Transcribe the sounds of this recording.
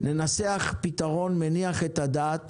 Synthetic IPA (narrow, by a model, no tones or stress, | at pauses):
ne̞naseaχpit̪aʁo̞nmeniaχet̪ad̪aːt̪